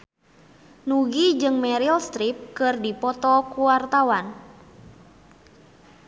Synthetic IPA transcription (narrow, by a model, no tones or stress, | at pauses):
nuɡid͡ʒɨŋmɛɾilst̪ɾip̚kɨrdipɔt̪ɔkuwart̪awan